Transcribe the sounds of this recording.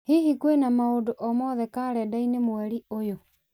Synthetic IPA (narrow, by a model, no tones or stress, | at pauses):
hiɦikwenamaodoʔɔmɔːðɛkaːɾɛdainemwɛɾiojo